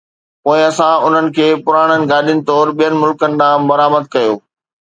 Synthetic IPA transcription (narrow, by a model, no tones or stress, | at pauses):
poːɪ̃ɐsãʊn̤ənɪ̆kʰeːpʊɾaːɽ̃ənɪ̆ɡaːɗjənɪ̆t̪ɔːɾɓijənɪ̆mʊlkənɪ̆ɗ̪ãːbɐɾaːməd̪̚kɐjoː